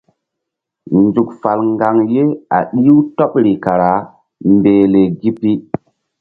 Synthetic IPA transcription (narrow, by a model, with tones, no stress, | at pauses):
nd͡ʒu˨kfa˨lŋɡa˨ŋje˦a̰˨ɗi˦wto˦ɓɾi˨ka˨ɾa˨˦ | mbeː˨le˨ɡi˦pi˦